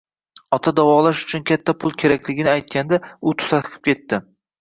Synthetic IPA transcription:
ɒt̪ʰad̪awɒlaʃʊ̥t͡ʃʰʊnkʲʰat̪ʰːapʰʊlˠkʲʰe̞ɾakʲlɪɡʲɪnɪajt̪̚kʲand̪aʊt̪ʰʊ̥saɨqʰɨ̥p̚kʲʰe̞t̪ːɪ

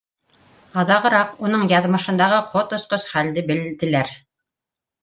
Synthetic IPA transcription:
ɑðɑʁɤ̆ɾɑqunɤɴjɑðmɤ̆ʃɤ̆nd̪ɑʁɤqʰot̪ŏsqosχæld̪ɘbɘ̆ld̪ɘ̆læɾ

